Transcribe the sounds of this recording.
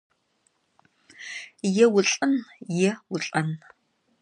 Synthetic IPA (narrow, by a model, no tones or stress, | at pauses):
jɛwʊɬʼɐnjɛwʊɬʼɐn